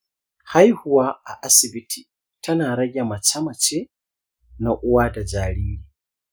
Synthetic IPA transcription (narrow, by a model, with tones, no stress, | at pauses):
ha˦jhʊ˨wa˦a˨ʔa˦sɪ˨bi˦tʰi˨ | tʰɐ˦naː˨ɾɐ˦ɡʲɛ˨mɐ˨t͡ʃɐ˦mɐ˨t͡ʃe˦ | na˨ʔʊ˦waː˦da˨d͡ʒaː˨ɽiː˦ni˨